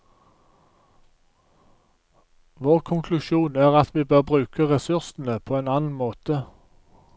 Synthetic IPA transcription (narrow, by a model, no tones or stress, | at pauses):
ʋoːʁkʰʊŋkʰlʉʃuːnæːʁɑt̪ʰʋiːbøːʁbʁʉːkʰəʁɛsʉʁsn̩əpʰoːeːnɑːnn̩moːt̪ə